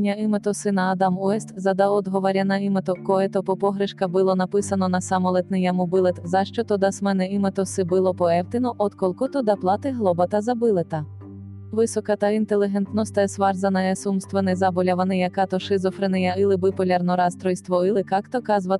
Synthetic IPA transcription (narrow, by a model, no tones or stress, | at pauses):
nʲɐɪmet̪ɔsɪnɐːd̪ɑmuɛst̪zɐd̪ɐɔd̪ɦɔʋɔɾʲɐnɐimet̪ɔkɔɛt̪ɔpɔpɔɦɾɪʃkɐbɪlˠɔnɐpɪsɐnɔnɐsɑmɔlˠɛt̪nɪjɐmubɪlˠɛt̪zɐʃt͡ʃɔt̪ɔd̪ɐsmɛnɛimet̪ɔsɪbɪlˠɔpɔɛwt̪ɪnɔʔɔd̪kɔlˠkɔt̪ɔd̪ɐplˠɑt̪ɪɦlˠɔbɐt̪ɐzɐbɪlˠɪt̪ɐ | ʋɪsɔkɐt̪ɐint̪elʲˠɪɦɛnt̪nɔst̪ɛsʋɑrzɐnɐjɛsumst̪ʋɐnɪzɑbɔlʲɐʋɐnɪjɐkɑt̪ɔʃɪzɔfɾɪnɪjɐɪlˠɪbɪpɔlʲɐrnɔɾɑst̪ɾɔjst̪ʋɔɪlˠɪkɑkt̪ɔkɑzʋɐ